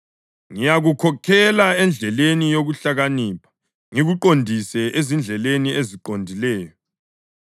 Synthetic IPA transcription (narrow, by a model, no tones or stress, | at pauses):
ŋijaɣukʰɔkʰɛlaɛnd͡ɮʱɛlenijoɣuɬaɣaniːpʰḁ | ŋiɣuǃondʱisɛʔezind͡ɮʱɛlenieziǃondʱilɛːjɔ